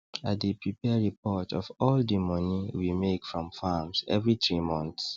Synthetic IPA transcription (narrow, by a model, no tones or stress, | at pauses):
at̚dipʰɹipɛɹipʰɔtɔ̰fɔldimɔniwimekfɹɔ̃mfamzɛ̰vɹit̪ɹimɔ̃nθs